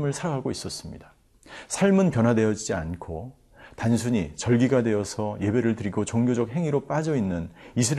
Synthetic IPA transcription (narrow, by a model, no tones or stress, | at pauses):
mɯɭsʰaɾaɡɦaɡois͈ʌs͈ɯmɲida | sʰaɭmɯnpjʌnwadwe̞jʌd͡ʑid͡ʑiankʰo | tansʰuɲit͡ɕʌɭɡiɡadwe̞jʌsʰʌje̞be̞ɾɯɭtɯɾiɡot͡ɕoŋɡjod͡ʑʌk̚ɦe̞ŋiɾop͈ad͡ʑʌinːɯnisʰɯɾ